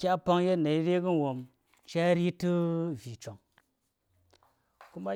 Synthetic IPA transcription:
kʲa˦pa˧ŋje˦˨na˨i˦ɾe˦ɡu˦wo˨m | t͡ʃa˦ɾi˦tɨ˦vi˨t͡ʃo˨ŋ | ku˦ma˦

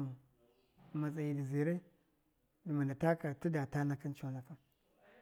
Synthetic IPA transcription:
ma˨t͡sa˨ji˨di˨zi˨ɾe˦ | di˨ma˨nda˨ta˦ka˨tu˦da˨ta˦na˦ka˦nt͡ʃo˦na˦ka˦n

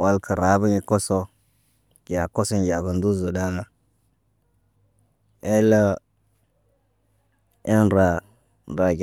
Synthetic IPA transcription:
wa˦lkʰə˨ɾa˨˦bə˦ŋi˨ko˦so˦ | ɡʲa˨ko˦so˦nɡa˨ɡə˨ndu˦zu˨da˦na˦ | e˦la˦ | e˦nɾa˨ | ɾa˨ɡ

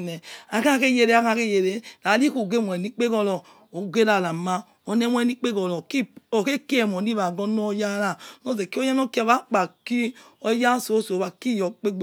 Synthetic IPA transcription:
nɛ˨a˨ka˦˨ke˦je˨ɾe˦a˦ka˦ke˦je˨ɾe˨ɾa˨˦li˦ko˨ɡe˦˨mʷwɛ˨ni˦k͡pe˦ɡɔ˦lɔ˨ | o˨ɡe˦ɾa˨la˨ma˦ | o˨˦ne˦mʷ˦ɛ˦˨ni˦k͡pe˦ɡɔ˨lɔ˨ki˦o˨ke˦ki˦e˨m˨ɔ˨ni˦βa˨ɡɔ˦nɔ˦ja˦ɾa˦no˦ze˨ki˦o˦ja˦no˦ki˦˨βa˨˦k͡pa˨ki˦ | o˦ja˦so˨˦so˨βa˨ki˦jɔ˨k͡pe˦ɡ͡b

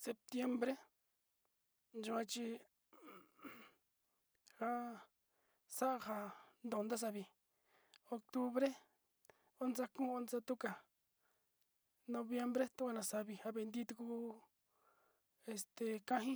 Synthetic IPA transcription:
se˧p̚t̪je˧mbɾe˦ | nd͡ʒu˧ã˧t͡ʃi˧ | ha˦ | sa˦ʔa˧ha˧nd̪õ˨˧nd̪a˦s̬a˧βi˨ | o˧kt̪u˦βɾe˦ | o˦nsa˧kũː˦o˦nsa˧t̪u˦ka˨ | nõ˧βje˧mbɾe˦t̪u˦kʷa˧nã˧˨sa˧βi˧ha˧βe˧nd̪i˦˧t̪u˧ku˧ | e˧st̪e˨kã˦ɦĩ˦

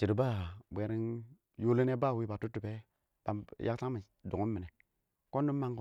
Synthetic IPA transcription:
t͡ʃi˨ɾba˦˨bʷe˨ɾi˦n | ju˦li˦ne˦ba˦˨wi˦ba˨tu˦tːu˨pe˦ | b̥a˨jʔa˦ksa˦ŋmi˨ | du˨ŋu˦mmi˨ne˨ | ko˦nːi˦ma˦ŋko˦

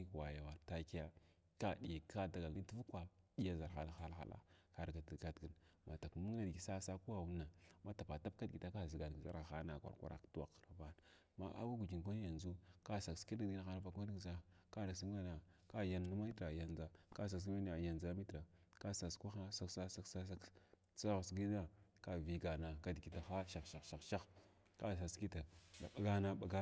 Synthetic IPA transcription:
i˦˨wa˨ja˨wa˨ɾta˦ki˦ja˦ | ka˦di˨ja˨ka˦da˨ɡa˨lɡi˦n˦tvu˦kʷa˦ɗi˦ja˦za˨ɾxa̰˨la˨xa˦lxa̰˨la̰˦ka˨ɾɡa˨ti˨ɡa˦tɡə˨nma˨ta˨kmu˦ŋ˦na˦dɡi˨sa˦sa˦ku˦a˨wu˦nːa˨ma˦ta˨pa˨ta˦b̚ka˦dɡi˨ta˦ka˦˨zi˨ɡa˨dza̰˦ɾa˨xa˦na˨kʷa̰˨ɾkʷa̰˦ɾa̰˨ktu˦wa̰˨kɾa˨va˦n | ma̰˦ʔa̰˦wa˦ɡu˨d͡ʒi˨ŋ˨ɡʷa˦n˦ja˨nd͡zu˦ka˦sa˨kski˦da˦˨i˦na˦xa˦na˨va˨ka˦di˦˨za˦ka˦na˨si˦a˦na˨ | ka˦ja˦nːu˦ma˦i˦tɾa˨ja˨nza˦ka˦˨s̬a˨s̬a˦n˦a˨ja˨nd͡za˦mi˦tɾa˨ka˦sa˨skʷa˦xa˦sa˦ksa˦sa˦ksa˦sa˦k | t͡sa˦ɣa˨sɡi˦na˦ka˦vi˨ɡa˨na˨ka˦dɡi˨ta˨xa˦ʃa˨xʃa˨ʃa˨xʃa˦x | ka˦˨s̬a˨ski˦ta˨a˨ɓa˨ɡa˦na˨ɓa˨ɡa˦

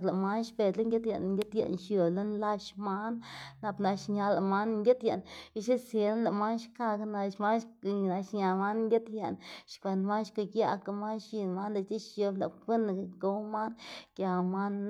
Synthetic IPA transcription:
kla˨ma˦nʃpe˧˨t̪la˦ŋɡʲe˦t̪ja̰˧˨n˧ŋɡʲe˦t̪ja̰˨ʔnʃjo˨lo˦nla˦ʃma˦nːa˧pna˧ʃɲa˧la˨ma˦nŋɡʲe˦t̪ja˨ni˦ʃe˦sje˧nla˨ma˦nʃka˧kna˧ʃma˦nʃna˧ʃɲa˨˧ma˦nŋɡʲe˦t̪ja˧nʃkʷe˧nd̪ma˦nʃko˧˨ɡja̰˧˨ka˨ma˦nʃi˧nma˦nla˨t̪i˦ʃʃo˧la̰˨ke˦na˨ɡo˧˦ma˦nkʲja˨ma˦n

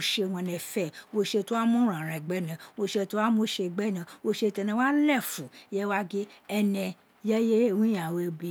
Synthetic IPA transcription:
ʃe˧˨wɔ̃˧nɛ̃˧˨fɛ˦˨wo˧ʃe˧to˦wa˦mũ˦ɾ̃ã˨ɾ̃ɛ̃˨ɡ͡bɛ˦nã˨wo˧ʃe˧to˦wa˦mõ˦ʃe˧˨ɡ͡bɛ˦nã˧wo˧ʃe˧tɛ˧nɛ̃˧wa˦lɛ˦˨fu˨jɛ˦wa˦ɡe˦ɛ˧nɛ̃˧ | jɛ˦je˦˨wũ˦ã˨we˧bi˧˦

